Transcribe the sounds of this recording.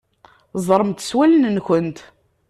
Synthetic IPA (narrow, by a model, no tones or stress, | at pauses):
zˤɾˤəmt̪ə̥swælənnçənt̪